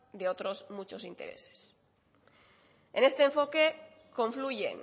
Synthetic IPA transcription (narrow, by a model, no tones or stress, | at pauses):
d̪eot̪ɾo̞zmut͡ʃo̞sint̪eɾe̞̰se̥s | ene̞st̪eːɱfo̞ke | ko̞ɱfluʝḛŋ